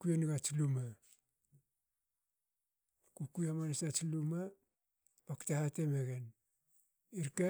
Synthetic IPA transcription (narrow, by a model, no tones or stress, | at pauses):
kujeniɡat͡ʃluma | kukujamanasat͡ʃiluma | paktahatemeɡen | iɾka